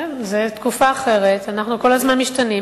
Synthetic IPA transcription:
zet̪kufaːχe̞ʁet̪anaχnuko̞lazmanmiʃtani

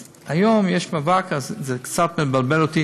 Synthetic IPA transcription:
ajomjɛʃmavakazzɛkt͡sat̪mebalbelot̪i

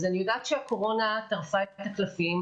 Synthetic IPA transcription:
zeniɡat̪ʃeako̞ʁo̞nat̪aʁfaet̪aklafim

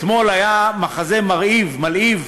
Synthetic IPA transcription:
tmo̞lajamaχaze̞maʁivmaliv

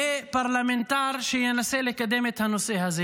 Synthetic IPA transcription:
epɐɾlɐment̪aːɾʃijɐnɐselekɐd̪emet̪ʰɐnuseɦɐzi

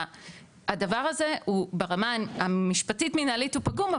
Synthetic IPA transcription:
adavaʁaze̞ubeʁamanamiʃpatitminalitupaɡuma

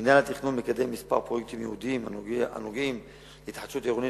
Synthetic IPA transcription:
injanlat̪iχnonmekad̪emːispa̰ʁpʁojek̚t̪imjeud̪iimaa̰nuɡim | it̪ħat̪ʃut̪eʁoni

